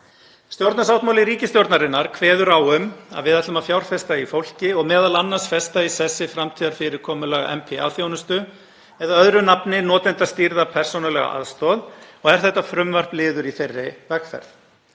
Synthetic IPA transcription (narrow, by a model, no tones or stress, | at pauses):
st̪jowɾt̪nas̬awht̪mawlɪɾiːcɪst̪jowɾt̪naɾɪnːaɾ̥kʰvɛːðʏɾawʏma̰ðvɪðɛt̪lʏmafjawɾ̥fɛst̪aifowl̥cɪɔɣmɛːðalanːansfɛst̪aisɛsːɪfɾamt̪ʰiːðaɾ̥fɪɾɪɾ̥kʰɔːmʏlɛɣa̰ʔɛ̰mpʰɛa̰vθjoːwnʏst̪ʏ | ɛðaœðɾʏnapnɪnɔːt̪ɛnt̪ast̪iɾðapʰɛr̥sownalɛɣa̰ʔa̰ðst̪ɔːðɔɣɛɾ̥θɛht̪ːafɾʏmvɛr̥plɪːðʏɾiθejrːɪvɛkfɛ̰ɾθ